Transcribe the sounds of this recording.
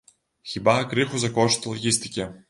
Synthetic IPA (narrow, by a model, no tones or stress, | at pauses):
xʲibakɾɨxuzɐkɔʃt̪ʲlˠɐɣʲisʲt̪ʲɪ̥kʲɛ